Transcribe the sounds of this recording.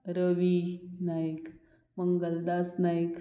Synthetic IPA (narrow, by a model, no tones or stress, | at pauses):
ɾəʋinaik | məŋɡəld̪asnaik